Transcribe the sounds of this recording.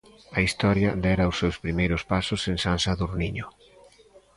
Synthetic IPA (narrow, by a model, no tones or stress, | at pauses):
ɐist̪ɔɾjɐd̪ɛɾɐosːewspɾimejɾʊspasʊseŋsansaðuɾniɲʊ